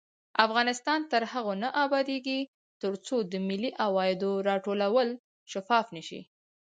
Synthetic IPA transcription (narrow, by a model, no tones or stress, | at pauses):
afɣɑnɪst̪ɑnt̪əɾhaɣonaʔɑbɑd̪eɡi | t̪əɾt͡sod̪əmɪliʔawɑjɪd̪oɾɑʈolawəl | ʃafɑfnəʃḭ